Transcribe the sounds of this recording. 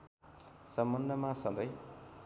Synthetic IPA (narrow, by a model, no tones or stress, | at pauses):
sʌmːʌnːʌmasʌ̃d̪ʌj